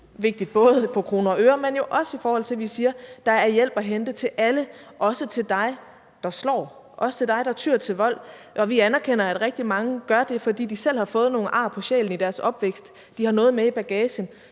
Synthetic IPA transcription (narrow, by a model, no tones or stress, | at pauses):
ʋe̝ɡ̥̚d̥id̥̚b̥ɔ̽ːð̞̩ˠpʰɒ̽kʰʁo̝ːnɐɒøːɐmenjo̝ʔɒ̽səifɒːhɒ̽l̰t͡sʰe̝ʋisiːɐd̥ɑ̈æɐjel̰b̥æɦend̥ət͡sʰe̝lʔæləʔɒ̽sət͡sʰe̝ld̥ɑ̈ɪ | d̥ɑ̈slɒ̰ː | ʔɒ̽sə̥t͡sʰe̝ld̥ɑ̈ɪɾɑ̈æt͡sʰyːɐ̰t͡sʰe̝lʋɒ̽l̰ʔɒ̽ʋiænæɐkʰen̰ɐæd̥ʁɛɡ̥̚d̥imɑ̈ŋəɡ̥ɶɐd̥e̝fɒ̽d̥ḭːd̥isel̰hɑ̈fɔ̽ːð̞̩ˠno̝ːn̩ʔɑ̰̈ːpʰɒ̽ɕḛːln̩id̥æɐsɒ̽b̥ʋeɡ̥sd̥ːihɑ̈nɔ̽ːð̩ˠmeib̥æɡ̥ɛːɕən